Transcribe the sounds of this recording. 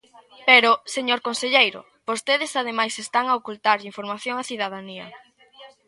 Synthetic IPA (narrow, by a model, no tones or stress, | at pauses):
peɾoseɲoɾkonseʎejɾʊ̰ | b̥ost̪eðesað̞emajsest̪aŋaokult̪aɾʎiɱfoɾmaθjoŋaθiðað̞aniɐ̰